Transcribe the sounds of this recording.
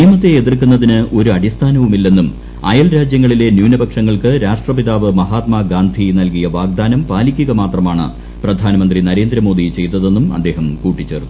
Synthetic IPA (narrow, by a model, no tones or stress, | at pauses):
ijɐmɐt̪ːeːðirkunːɐðinɨʔo̞ɾuɐɽist̪ʰaːnɐʋumilːe̞nːum | ɐjɐlɾaːd͡ʑjɐŋːɐɭile̞njuːnɐbɐkʂɐŋːɐɭkɨɾaːʂʈrɐpiðaːʋɨmɐɦaːt̪mɐɡaːnd̪ʱinɐlkijɐʋaːɡ̚d̪aːnɐmpaːlikʲːuɣɐmaːt̪rɐmaːɳɨ̰ | prɐd̪ʱaːnɐmɐnd̪rinɐɾe̞ːnd̪ɾɐmo̞ːd̪it͡ɕe̞jt̪ɐðe̞nːumɐ̰d̪ːe̞ːɦɐmkuːʈːit͡ɕːe̞ːrnːu